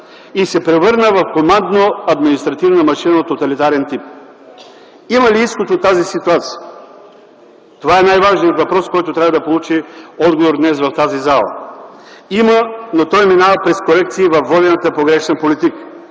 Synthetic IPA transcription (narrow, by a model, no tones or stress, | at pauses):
isɛpɾɛvɤɾnəvɐfkomand̪noɐd̪minist̪ɾɐt̪ivnəmɐʃinəot̪ot̪ɐlit̪aɾɛnt̪ip̚ | iməliiskot̪ot̪ːazisit̪uat̪si̥jə | t̪ovaɛnajvaʒniət̪vɐpɾɔskɔjt̪ʊt̪ɾʲavəd̪ɐpolˠut͡ʃiɔd̪ɡovoɾd̪nɛsvɐft̪azizalˠə̰ | imənot̪ɔjminavəpɾɛskoɾɛkt̪siːvɐfːɔd̪ʲɛnət̪əpoɡɾɛʃnəpolit̪ikə̥